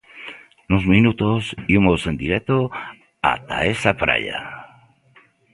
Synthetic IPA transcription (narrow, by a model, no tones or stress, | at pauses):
nozmĩnut̪osimose̞nd̪iɾek̚t̪o | a̰t̪a̰esapɾa̰ʎa̰